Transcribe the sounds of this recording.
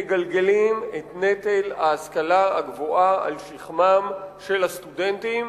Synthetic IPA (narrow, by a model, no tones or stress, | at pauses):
ɡalɡe̞limetnet̪elaːskalaa̰ɡvoʔaa̰lʃiχmamʃe̞lhast̪udent̪im